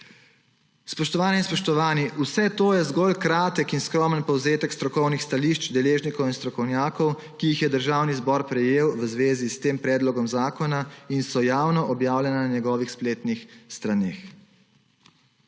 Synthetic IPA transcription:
spɔʃt̪ɔʋaːnɛinspɔʃt̪ɔʋaːniʔusɛt̪oːjɛzɡɔlkɾaːt̪əkinskɾɔmənpɔwzeːt̪əkst̪ɾɔkɔwnixst̪aliʃt͡ʃd̪ɛleːʒnikɔwinst̪ɾɔkɔwnjaːkɔw | kiixjɛd̪əɾʒaːwnizbɔɾpɾɛjeːwʋəzʋeːzist̪eːmpɾɛːd̪lɔɡɔmzaːkɔnainsɔjaːwnɔʔɔbjaːwlʲjɛnananɛɡɔːʋixspleːt̪nixst̪ɾaneːx

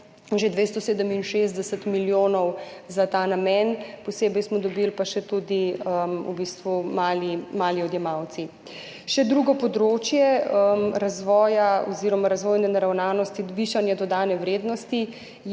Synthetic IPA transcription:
ʒed̪ʋest̪ɔseːd̪əminʃezd̪ɛsət̪miljoːnɔwzat̪aːnamɛnpɔseːbɛjsmɔd̪ɔbilpaʃɛt̪ud̪iəmṵbist̪ʋumaːlimaːliɔd̪jɛmawt̪si | ʃɛd̪ɾuɡɔpɔd̪ɾoːt͡ʃjɛəɾazʋɔːjaɔziɾɔmaɾazʋoːjnɛnaɾawnaːnɔst̪iʋiːʃanjɛd̪ɔd̪aːnɛwɾeːd̪nɔst̪i

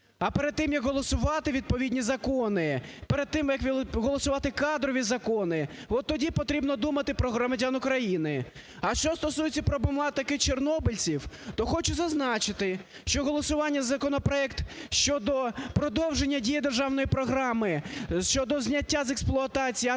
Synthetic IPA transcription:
ɐpeɾed̪̚t̪ɪmjɐkɦɔlˠɔsʊʋɑt̪ɪʋʲid̪̚pɔʋʲidʲnʲizɐkɔnɪpeɾed̪̚t̪ːɪmjɐkʋʲɦɔlˠɔsʊʋɑt̪ɪkɑd̪ɾɔʋʲizɐkɔnɪʋɔt̪ːɔdʲipɔt̪ɾʲibnɔd̪umɐt̪ɪpɾɔɦɾɔmɐdʲanʊkɾɐjinɪ | ɐʃt͡ʃɔst̪ɔsujet͡sʲːɐpɾɔbemlˠɑt̪ɐkɪt͡ʃernɔbɪlʲt͡sʲiwt̪ɔxɔt͡ʃʊzɐznɑt͡ʃɪt̪ɪ | ʃt͡ʃɔɦɔlˠɔsʊʋɑnʲːɐzɐkɔnɔpɾɔɛkt̪ʃt͡ʃɔd̪ɔpɾɔd̪ɔwʒenʲːɐdʲijɐd̪erʒɑwnɔjipɾɔɦɾɑmɪʃt͡ʃɔd̪ɔzʲnʲɐtʲːazeksplˠʊɐt̪ɑt͡sʲij

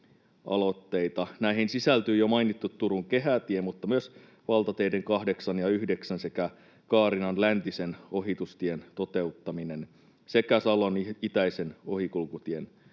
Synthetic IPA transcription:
ɑ̰lo̞t̪ːe̞jt̪ɑnæiɦinsisælt̪yːjomɑinit̪ːut̪ːuɾuŋke̞ɦæt̪iemut̪ːɑmyøs | ʋɑlt̪ɑt̪eideŋkɑhde̞ksɑnjɑyhde̞ksænse̞kæ | kɑːɾinɑnlænt̪iseno̞ɦit̪ust̪ient̪o̞t̪e̞ut̪ːɑmine̞n | se̞kæsɑlonit̪æise̞nohikulkut̪ien

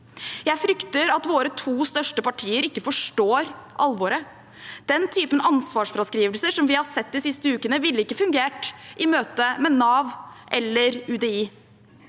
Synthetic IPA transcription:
jæɪfɾʏkt̪əɾɑt̪ʋoːɾət̪ʰuːst̪œʂʈəpɑʈʰiːəɾɪkːəfɔʂʈoːɾʔɑ̰lːʋoːɾə | d̪̥ɛnt̪ʰyːpənɑnsʋɑːʂfɾɑskɾiːʋəlsəʂɔmʋɪhɑsɛt̪̚ːd̪ɪsɪst̪əʉːkənəʋɪlːəɪkːəfʉŋɡeːʈʔɪmøːt̪əmɛnɑːʋʔɛlːəɾʉd̪ɛiː

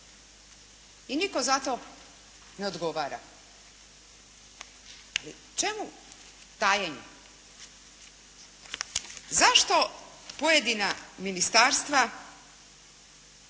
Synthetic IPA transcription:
iniko̞zat̪o̞ | ne̞o̞d̪ɡo̞ʋaːɾa̰ | alḭ | t͡ʃe̞mu | t̪ajeɲe | zaʃt̪o̞ | pojed̪inaminist̪aɾst̪ʋa

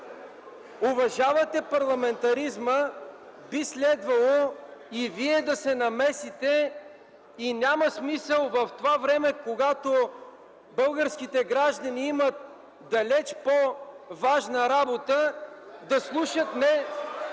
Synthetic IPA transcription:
ʊvɐʒavɐt̪ɛpɐɾlˠɐmɛnt̪ɐɾizmə | bislɛd̪vɐlˠoiviɛd̪ɐsɛnɐmɛsit̪ɛ | inʲaməsmisəlˠvɐft̪ovavɾɛmɛkoɡat̪o | bɤlˠɡəɾskit̪ɛɡɾaʒd̪ɐniimət̪̚ | d̪ɐlɛt͡ʃpovaʒnəɾabot̪əd̪ɐslˠuʃət̪nɛ

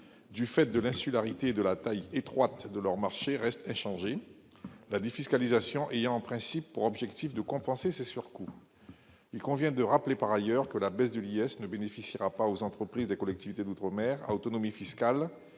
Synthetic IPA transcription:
d̪yfɛt̪̚d̪əlɛ̃sylaʁit̪eːd̪əlat̪ajet̪χwat̪d̪əlœʁmaʁʃeʁɛst̪ɛ̃ʃɑ̃ʒe | lad̪efiskalizasjɔ̃ʔejɑ̃ɑ̃pχɛ̃sipːuʁɔbʒɛkt̪ifd̪əkɔ̃pɑ̃sesesyʁku | ilkɔ̃vjɛ̃d̪əʁaplepaʁajœʁkəlabɛsd̪əliɛsnəbenefisiʁapaozɑ̃t̪χəpχizd̪ekɔlɛk̚t̪ivit̪ed̪ut̪χəmɛʁa̰ot̪ɔnɔmifiskal

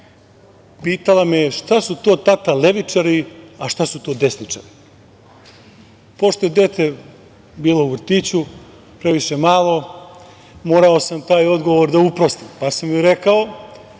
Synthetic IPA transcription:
piːt̪alˠamijeʃt̪asut̪o̞ːt̪at̪ale̞ʋit͡ʃaɾiaʃt̪asut̪o̞ːd̪e̞snit͡ʃa̰ɾi | po̞ʃt̪oje̞d̪e̞t̪e̞ | biːlˠo̞uʋr̩t̪iːt͡ɕu | pɾe̞ʋiʃe̞maːlˠo̞ | mo̞ːɾao̞samt̪aːjo̞d̪ɡo̞ʋoɾd̪aupɾo̞st̪ipasamjuɾe̞kao̞

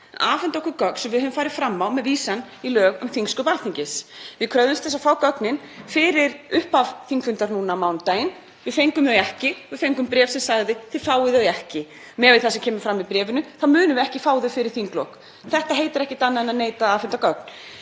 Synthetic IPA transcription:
aːfɛnt̪ɔhkʏɾkœkn̥sɛmvɪðhœːvʏmfaːjɾɪ̥fɾamːawmɛðviːsanilœːɣʏ̰mθiŋskʏpalθiɲcɪsvɪðkʰɾœðʏmst̪θɛsːafaːwkœknɪnfɪɾɪɾʏhpav̥θiŋkfʏnt̪aɾnuːnamawnt̪aːjɪn | vɪðfejŋkʏmœɛhcɪvɪðfejŋkʏmpɾɛːvsɛmsaɣðɪθɪfaːwɪðœðɛhcɪ | mɛːvɪðθasɛmcʰɛːmʏ̥fɾamːiðpɾɛːvʏnʏθaðmʏːnʏvɪɛhcɪfaːwðʏfɪɾɪɾ̥θiŋklɔwk | θɛht̪aɦeːjt̪ɪɾɛhcɪt̪anːaðɛnaneːjt̪aaːfɛnt̪akœk̚n̥

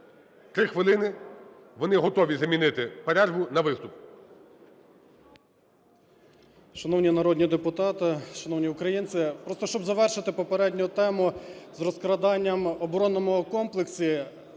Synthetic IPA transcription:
t̪ɾɪxʋɪlˠɪnɪ | ʋɔnɪɦɔt̪ɔʋʲizɐmʲinɪt̪ɪpɐɾʲɛʒbʊnɐʋɪst̪ʊp | ʃɐnɔwnʲinɐɾɔd̪ʲnʲid̪epʊt̪ɑt̪ɪʃɐnɔwnʲiʊkɾɐjinsɪpɾɔst̪ɔʃt͡ʃɔbzɐʋɛrʃɪt̪ɪpɔpeɾɛdʲnʲʊt̪ɛmʊzɾɔskɾɐd̪ɑnʲːɐmɔbɾɔnːɔmʊkɔmplˠeksʲi

